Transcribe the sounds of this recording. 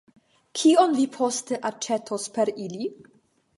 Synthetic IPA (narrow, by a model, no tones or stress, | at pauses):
kʰionvipʰost̪eʔat͡ʃːet̪ʰospeɾili